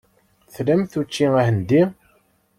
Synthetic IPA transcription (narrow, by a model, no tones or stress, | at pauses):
θlæmθut͡ʃːiæhənd̪i